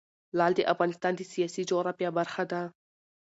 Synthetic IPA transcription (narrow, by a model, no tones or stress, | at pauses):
lɑld̪eʔafɣɑnɪst̪ɑːnd̪esijɑsid͡ʒoɾapjabaɾxad̪a